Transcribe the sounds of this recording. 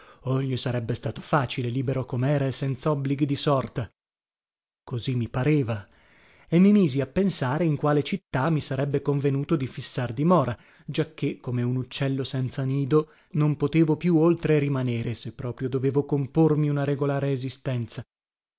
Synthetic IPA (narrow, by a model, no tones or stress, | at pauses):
oʎːisaɾɛbːest̪aːt̪o̥faːt͡ʃileliːbeɾokomeɛːɾaesɛnt̪saɔbːliɡid̪isɔrt̪a | kozimːipaɾeːva | emːimiːziapːensaːɾeiŋkwaːlet͡ʃit̪ːamːisaɾɛbːekoɱvenuːt̪od̪ifisːard̪imɔːɾa | d͡ʒakʰːekːomeunut͡ʃːɛlːosɛnt̪saniːd̪o | nompot̪eːvopjuolt̪ɾeɾimaneːɾesepːɾɔːpɾjod̪oveːvokompormiunaɾeɡolaːɾeːzist̪ɛnt̪sa